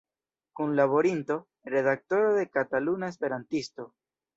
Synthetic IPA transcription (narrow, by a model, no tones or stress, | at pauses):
kunlaβo̞ɾinto̞ | ɾe̞ðak̚to̞ɾoðe̞katalunaespe̞ɾantisto̞